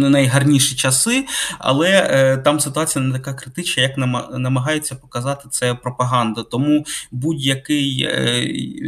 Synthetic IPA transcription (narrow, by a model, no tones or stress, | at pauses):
nɐjɦɐrnʲiʃit͡ʃɐsɪɐ̰lˠɛt̪ɑmsɪt̪ʊɑt͡sʲijɐnɛt̪ɐkakɾɪt̪ɪt͡ʃnɐjɐknɐnɐmɐɦɑjet͡sʲːɐpɔ̥kɐzɑt̪ɪ̥t̪sɛpɾɔpɐɦɑnd̪ɐt̪ɔmubudʲjɐkɪj